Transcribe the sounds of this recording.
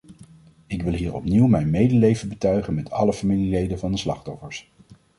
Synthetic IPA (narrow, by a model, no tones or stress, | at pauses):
ɪkʋɪlˠɦiːɹɔ̰pniwmɛjnmejdəlejvənbətœɥχənmɛtʰɑ̰ləfamililejdənvɑndəslɑ̰χtɔfəɹs